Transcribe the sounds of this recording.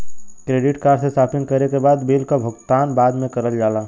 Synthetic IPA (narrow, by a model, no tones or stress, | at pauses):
kɾeːɖɪʈkaːɾsesaːpɪ̃ŋkɐɾekebaːd̪beːlkabʱʊɡt̪aːnbaːd̪mẽkɐɾəld͡ʒaːlaː